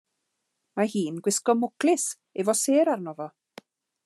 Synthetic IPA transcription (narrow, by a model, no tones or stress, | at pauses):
mahiːnɡwɪskɔmʊklɪs | ɛvɔseːɾarnɔːvɔ